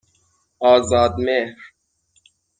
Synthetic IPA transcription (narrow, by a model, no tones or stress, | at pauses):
aːzɑːd̪meːhɾ